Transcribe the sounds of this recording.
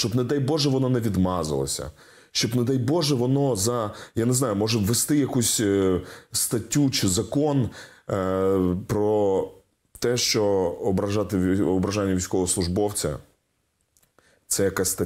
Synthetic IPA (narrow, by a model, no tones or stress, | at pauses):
ʃt͡ʃɔbnɐd̪ɛjbɔʒɛʋɔnɔnɛʋʲid̪mɑzɐ̰lˠɐ̰sʲɐ̰ | ʃt͡ʃɔbnɐd̪ɛjbɔʒɛʋɔnɔzɐjanɛznɑjʊmɔʒɛʋest̪ɪjɐkusʲ | st̪ɐtʲːut͡ʃɪzɐkɔn | pɾɔ | t̪ɛʃt͡ʃɔɔbɾɐʒɑt̪ɪɔbɾɐʒɑnʲːɐʋʲijsʲkɔʋɔslˠʊʒbɔwt͡sʲɐ̰ | t̪sɛjɐkasʲst̪ɐ